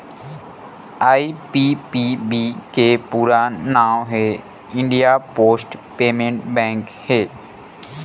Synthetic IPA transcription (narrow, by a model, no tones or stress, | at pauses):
aːipipibikepuːɾanaːwɦe | ɪ̃ɳɖijapoːsʈpeːmẽɳʈbɛ̃ːŋkheː